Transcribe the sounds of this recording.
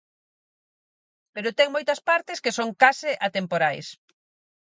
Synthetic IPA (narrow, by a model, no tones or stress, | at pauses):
peɾʊt̪ɛŋmojt̪ɐspaɾt̪ɪskesoŋkasɪʔat̪empoɾajs